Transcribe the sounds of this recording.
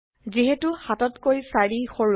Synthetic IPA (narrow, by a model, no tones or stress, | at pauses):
ziɦetuxatɔtkojsaɹixoɹ